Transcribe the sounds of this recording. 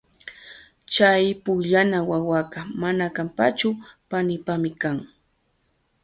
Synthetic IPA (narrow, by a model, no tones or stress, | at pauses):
t͡ʃajpʊʎanawawakamanakampat͡ʃʊpanɪpamɪkaŋ